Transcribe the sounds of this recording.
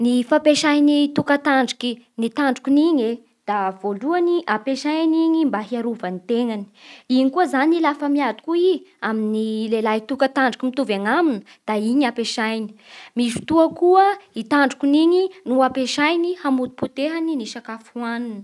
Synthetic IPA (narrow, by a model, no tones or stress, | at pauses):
nifapeʃajnit̪ukat̪aɳɖ͡ʐi̥kinit̪aɳɖ͡ʐukuniɲe | d̪̥avoluaniʔapeʃajaniɲimbaɦiaɾuvanit̪eŋani̥inikuəzanilafəmiad̪i̥kuiaminilelajit̪ukat̪aɳɖ͡ʐi̥kimit̪uvaŋaminə | d̪̥aiɲapeʃajni̥mizu̥t̪uəkuəit̪aɳɖ͡ʐukuniɲinuapeʃajnihamut̪u̥put̪eɦaniniʃakafuaninə̥